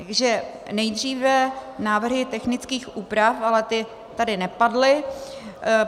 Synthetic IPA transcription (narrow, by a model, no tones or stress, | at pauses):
t̪aɡʒɛ | nɛjd̪r̝iːvɛnaːvr̩ɦɪt̪ɛxnɪt͡skiːxʔuːpɾafalɛt̪ɪ | t̪adɪnɛpadlɪ